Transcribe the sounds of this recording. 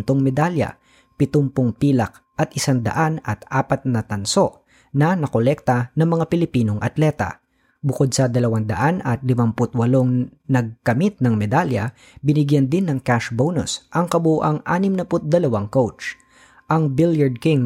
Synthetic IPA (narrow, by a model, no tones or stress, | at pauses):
nt̪oŋmɛd̪aljɐ̰ | pɪt̪ʊmpʊŋpiːlɐk̚ | ʔɐt̪̚ʔɪsaŋd̪ɐ̰ʔanɐt̪ʔaːpɐt̪̚nɐt̪ɐnso̞ʔ | nɐnɐkolɛk̚t̪ɐnɐŋmɐŋapɪlɪpiːno̞ŋʔɐ̰t̪lɛt̪ɐ̰ | bʊkod̪̚sɐd̪ɐlɐwand̪ɐʔanɐt̪̚lɪmampʊt̪̚wɐloŋnɐɡ̚kɐmit̪̚nɐŋmɛd̪aljɐ | bɪnɪɡjɐnd̪ɪnːɐŋkaʃbownʊ̰sʔɐŋkɐbuʔaŋʔa̰ːnɪmnɐpʊt̪̚d̪ɐlɐwaŋkowt͡ʃ | ʔɐŋbɪljɐɹd̪̚kɪŋ